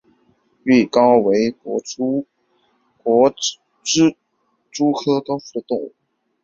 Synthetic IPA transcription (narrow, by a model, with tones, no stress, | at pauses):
y˥˩kɑ˥ʊwe˧˥ɪkɔ˧˥ | kwɔ˧˥ | ʈ͡ʂɻ̩˥ | ʈ͡ʂu˥kʰɤ˥kɑ˥ʊfu˥˩d̪ə˨t̪ʊ˥˧ŋu˥˩